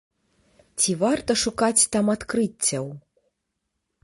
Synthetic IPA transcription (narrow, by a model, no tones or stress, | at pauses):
t͡sʲivart̪ɐʂukat͡sʲt̪amat̪kɾɨt͡sʲːɐw